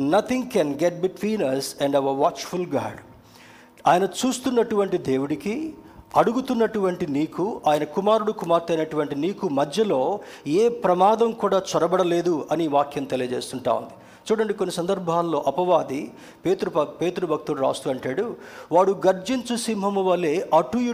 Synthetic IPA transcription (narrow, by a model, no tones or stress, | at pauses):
nɐt̪ʰiŋɡkɛnɡeʈ̚biʈʋiːnɐɾsɛɳɖɐʋɐɾʋaːt͡ʃfulɡa̰ːɾɖ | aːjɐnɐt͡ʃuːst̪unːɐʈuʋɐɳʈid̪e̞ːwuɽiki | ɐɽuɡut̪unːɐʈuʋɐɳʈiniːkuaːjɐnɐkumaːɾuɽukumaːɾt̪ɐjnɐʈuʋɐɳʈiniːkumɐd̪ʱjɐlo̞ːeːpɾɐmaːd̪ɐmkuːɽaːt͡ʃɔɾɐbɐɽɐle̞ːd̪uɐniʋaːkjɐmt̪elijɐd͡ʒe̞̰ːst̪uɳʈa̰ːwṵnd̪i | t͡ʃuːɽɐɳɖikonːisɐnd̪ɐɾbʱaːlːo̞ːʔɐpɐʋaːd̪i | peːt̪ɾupɐpe̞ːt̪uɾubʱɐk̚t̪uluɾa̰ːst̪uɐɳʈaːɽuʋaːɽuɡɐɾd͡ʒiɲt͡ʃusimɦɐmuʋɐleːʔɐʈuj